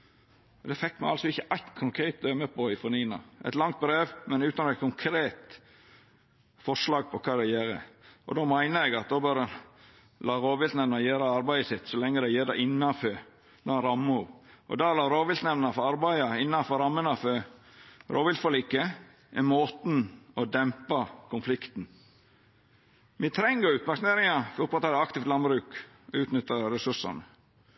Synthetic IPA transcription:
ɔd̪ɛfɛkːmæɡɑlsɔɪçːəʔæɪt̪kʰʊŋkʰɾeɪt̪̚d̪œməpʰɔɪfɔniːnɑ̰ʔɛ̰t̪lɑŋt̪̚bɾeːʋmɛnʉːt̪nɔɛt̪̚kʰʊŋkʰɾeːt̪ | fɔʂlɑːɡ̚pʰɔkʰɑːd̪ɛjeːɾə̰ʔɔ̰d̪oːmæɪnəɛɡɑt̪̚d̪oːbøːɾən | lɑːɾoːʋɪlt̪nɛmnəjeːɾɑɑɾbæɪəsɪt̪ːsɔlɛŋːəd̪æɪjeːɖ̪æɪɪnːɑfø | nɔɾɑmːəʊʋʔɔ̰d̪ɑːlɑːɾoːʋɪlt̪nɛʋnɑfɔɑɾbæɪɑɪnːɑnfɔɾɑmːənɑfɔ | ɾʔoːʋɪlt̪fɔliːkə | ʔɛmoːt̪n̩ɔd̪ɛmpɑkʰʊnflɪkt̪n | ʋɪt̪ʰɾɛŋːəɾʉt̪mæɾksmeːɾɪŋɑfʊpɑt̪ːɑd̪ɛɑkt̪ɪft̪lɑmbɾʉːk | ʔʉːt̪nʏt̪ːəɾɛsʉɾsɑ̰nə

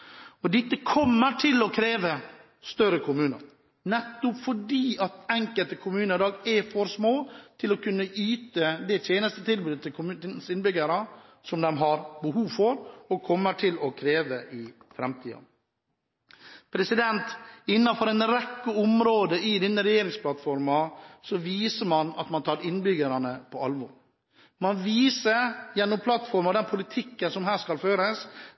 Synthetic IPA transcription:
ɔd̪ɪt̪ːəkʰɔmːəɾʈʰɪlɔkʰɾeːʋə | st̪œɾəkʰʊmʉːnə̰ɾ | nɛt̪ːʊpfɔɖiːɑt̪ɛŋkəlt̪əkʰʊmʉːnəɾɪd̪ɑːɡɛfɔɾsmoːt̪ʰɪlɔkʉnːəyːt̪əd̪ɛt̪ʰjeːnəst̪ət̪ʰɪlbʉːd̪ət̪ʰɪkʰʊmʉːɪnsɪnbʏɡəɾɑsɔmd̪ɛmɦɑɾbəɦuːʋfɔɾɔkʰɔmːəʈʰɪlɔkʰɾeːʋəʔɪfɾɛmt̪ʰiːɑ̰ | pʰɾɛsɪd̪ɛnt̪ɪnːɑfɔɾɛnɾɛkːʊʊmɾoːd̪əɪd̪ɛnːəɾɛjeːɾɪŋspʰlɑt̪fɔɾmɑsɔʋiːsəɾmɑnɑt̪mɑnt̪ʰɑːɾɪnbʏɡəɾɑnəpʰɔɑlʋɔɾ | mɑnʋiːsəɾjɛnːɔmpʰlɑt̪fɔɾmɑd̪ɛnpʰʊlɪt̪ʰɪkːənsɔmɦæːskɑlføːɾəs

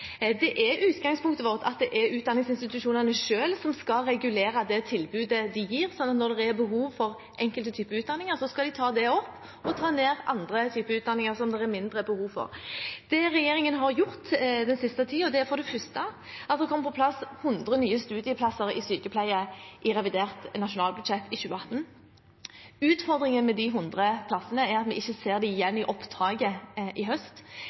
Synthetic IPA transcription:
d̪ɛʔɛɾʉːt̪ɡɑŋspʰʊŋkt̪əʋɔʁt̪ʰɑ̰t̪̚d̪ɛʔɛɾʉːt̪d̪ɑnɪŋsɪnst̪ɪt̪ʉʂuːnənəʃøːlsɔmskɑlɾɛɡʉleːɾɑd̪ɛt̪ʰɪlbʉːd̪əd̪ɪjiːʁsɔnːɑt̪nɔɾd̪ɛɛɾbəɦuːʋfɔɾ | ʔɛŋkəlt̪ət̪ʰyːpəʉːt̪d̪ɑnːɪŋəɾsɔskɑld̪ɪt̪ʰɑːd̪ɛɔpː | ɔt̪ʰɑːneːɾɑ̰nd̪ɾət̪ʰyːpəʉːd̪ɑnːɪŋəɾsɔmd̪ɛɾɛɾmɪnd̪ɾəbəhuːʋfɔ̰ɾd̪̥ɛʁɛjeːɾɪŋənɦɑʁjʊʁt̪d̪ɛnsɪst̪ət̪ʰiːɔd̪ɛæɾfɔʁd̪ɛfʏst̪ə | ɑt̪̚d̪ɛkʰɔməpʰɔpʰlɑshʊnd̪ɾənyːəst̪ʉːd̪ɪəpʰlɑsəɾɪ̰syːkəplæɪəʔɪʁɛʋɪd̪eːʁt̪nɑʃʊnɑːlbʉd̪ʂɛt̪ːɪɕʉːəɑt̪ːn̩ | ʉːt̪fɔɾd̪ɾɪŋənmɛd̪ɪɦʊnd̪ʁəpʰlɑsənəɛɾɑt̪mɛʔɪçːəseːʁd̪ɪjɛnːɪʔɔpːd̪ɾɑːɡəʔɪɦœst̪

